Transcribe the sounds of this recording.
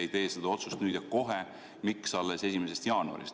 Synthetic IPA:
ejt̪e̞ːsed̪̥ɑo̞t̪sust̪nyːd̪̥jɑko̞ɦe | miksɑlːese̞sʲimese̞st̪jɑːnuɑ̰ɾḭst̪

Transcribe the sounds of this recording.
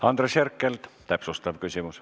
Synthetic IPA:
ɑnd̪̥ɾesherkːˑelt̪t̪æpsust̪ɑvkysʲimus

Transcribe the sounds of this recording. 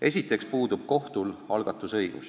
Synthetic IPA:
e̞sʲit̪ːˑe̞kspuːd̪̥ub̥̚ko̞ht̪ulɑlɡ̥ɑt̪ːˑusɤ̞jɡ̥ṵs

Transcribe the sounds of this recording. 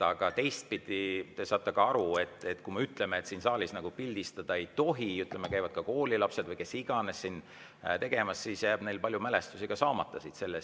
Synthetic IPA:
ɑɡ̥ɑt̪e̞jst̪̚pid̪̥ʲit̪esɑːt̪ˑːɑkɑɑɾue̞t̪ːˑe̞t̪kume̞yt̪ˑle̞meːt̪siːnsɑːlisnɑɡ̥upilʲd̪̥ist̪ɑd̪̥ɑe̞jt̪o̞ɦiyt̪ˑlemekæjvɑd̪̥kɑko̞ːlʲilɑpse̞d̪vɯjke̞siɡ̥ɑne̞sːin | t̪e̞ɡ̥e̞mɑsːisjæːb̥ne̞jlpɑlʲjumæle̞st̪usiɡ̥ɑsɑːmɑt̪ːˑɑsit̪se̞lːes

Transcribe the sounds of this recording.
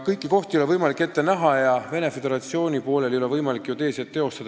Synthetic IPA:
kɤjkːˑiko̞ht̪ijolevɤjmɑlikːˑe̞t̪ːe̞næɦɑjɑve̞ne̞fe̞d̪e̞ɾɑt̪sio̞ːnʲipo̞ːle̞ljo̞levɤjmɑlikːˑjut̪e̞ːset̪ːe̞o̞st̪ɑd̪

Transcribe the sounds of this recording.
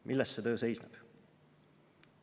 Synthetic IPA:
mʔilːɛst̪ːset̪ø̞ːse̞jsneb̥

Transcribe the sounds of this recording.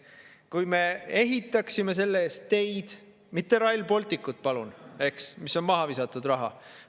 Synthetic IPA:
kujme̞e̞ɦit̪ːˑɑksime̞s̬e̞lːeeːst̪ːe̞jd̪̥ | mit̪ːˑe̞ɾɑjlpo̞lt̪ˑikːˑut̪̚ːˑpɑlune̞ksmiso̞nmɑɦɑvisɑt̪ːˑud̪̥rɑɦɑ̰

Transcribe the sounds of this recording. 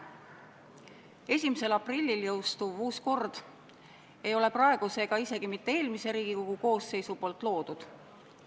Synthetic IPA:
e̞s̬ʲimese̞lɑprilʲːiljɤwst̪uvuːsko̞rd̪̥ | e̞jo̞leprɑe̞ɡ̥use̞ɡ̥ɑise̞ɡ̥imit̪ːe̞eːlmise̞ɾiːɡ̥iko̞ɡ̥uko̞ːsːe̞jsupo̞ːlt̪ːˑlo̞ːd̪̥ud̪̥

